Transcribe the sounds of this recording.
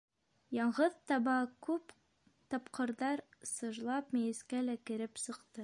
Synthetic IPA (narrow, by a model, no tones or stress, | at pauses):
jɑɴʁɤðt̪ɑβɑkʉp | t̪ɑpqɤ̆ɾðɑɾsɤ̆ʒlˠɑpmɘ̆jɘ̆skælækɘ̆ɾɘpsɤ̆qt̪ɤ